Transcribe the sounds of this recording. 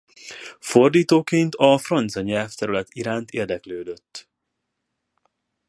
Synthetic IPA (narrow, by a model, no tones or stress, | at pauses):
fo̞rd̪iːt̪oːkeːnt̪ɒfrɒnt̪sɒɲɛlft̪ɛɾylɛt̪iɾaːnt̪eːrd̪ɛkløːd̪øt̪ː